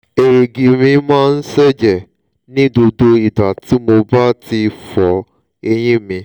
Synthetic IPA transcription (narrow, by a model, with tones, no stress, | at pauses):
e˨ɾe˨ɡi˨mĩ˧˦mãː˦˧n̩˦sɛ˦d͡ʒɛ˨ | nĩ˦do˧do˦i˨da˨ti˨˦mo˧ba˦ti˧fɔ˨˦ | e˧j̃ĩ˦mĩ˧